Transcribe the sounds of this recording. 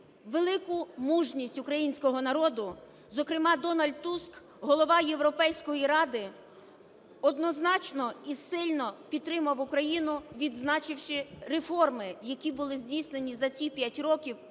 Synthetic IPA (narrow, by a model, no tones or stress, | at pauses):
ʋelˠɪkʊmuʒnʲisʲtʲʊkɾɐjinʲsʲkɔɦɔnɐɾɔd̪ʊ | zɔkɾɪmɑd̪ɔnɐlʲd̪t̪usk | ɦɔlˠɔʋɑjeʋɾɔpɛjsʲkɔjiɾɑd̪ɪ | ɔd̪nɔznɑt͡ʃnɔisɪlʲnɔpʲid̪t̪ːɾɪmɐwʊkɾɐjinʊʋʲid̪znɑt͡ʃɪwʃɪɾefɔrmɪjɐkʲibʊlˠɪzʲdʲijsnenʲizɐt͡sʲipʲjatʲɾɔkʲiw